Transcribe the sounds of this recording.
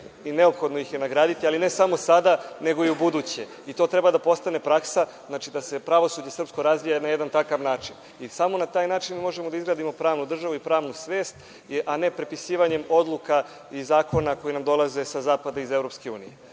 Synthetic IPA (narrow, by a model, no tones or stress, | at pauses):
ine̞opxo̞d̪nojixje̞naɡɾaːd̪it̪ialinesamo̞sad̪ane̞ɡo̞iubud̪uːt͡ɕe̞ | it̪o̞ːt̪ɾe̞bad̪apo̞st̪ane̞pɾaksaznaːt͡ʃid̪ase̞pɾaʋo̞suːd͡ʑe̞sr̩psko̞ɾazʋijanajed̪ant̪akaʋnaːt͡ʃin | isamo̞nat̪aːjnaːt͡ʃinmiːmo̞ʒemod̪aizɡɾaːd̪imo̞pɾaːʋnud̪r̩ʒaʋuipɾaːʋnusʋe̞ːst̪ | ʔane̞pɾe̞pisiːʋaɲe̞mo̞d̪lˠuka | izaːko̞nako̞jinamd̪o̞lˠaze̞sazaːpad̪aize̞vɾopske̞ṵːnije